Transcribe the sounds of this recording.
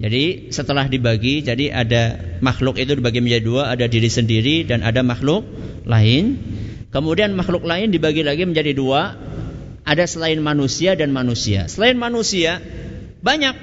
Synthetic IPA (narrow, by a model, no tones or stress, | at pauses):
d͡ʒadi | sət̪əlahdibaɡid͡ʒadiʔa̰damaxlʊkit̪udibaɡiməɲd͡ʒadiduaːdadiɾisəndiɾidanʔa̰damaxlʊk̚ | laɪn | kəmudianmaxlʊk̚laɪndibaɡilaɡiməɲd͡ʒadidua | ʔadasəlaɪnmanusiadanmanusia̰səlaɪnmanusia | baɲak̚